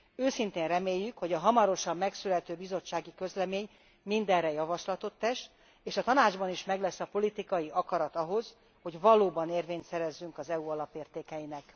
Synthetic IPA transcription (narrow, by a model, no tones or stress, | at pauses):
øːsint̪eːnrɛmeːjːykho̞ɟɒɦɒmɒɾo̞ʃɒmːɛksylɛt̪øːbizo̞t͡ʃːaːɡikø̞zlɛmeːɲ | mind̪ɛrrɛjɒvɒʃlɒt̪o̞t̪ːɛʃ | eːʃɒt̪ɒnaːd͡ʒbɒniʃmɛɡlɛsːɒpo̞lit̪ikɒjiʔɒkɒɾɒt̪ɒɦo̞z | ho̞ɟvɒloːbɒneːrveːɲt̪sɛɾɛzːyŋkɒzɛuɒlɒpeːrt̪eːkɛjinɛk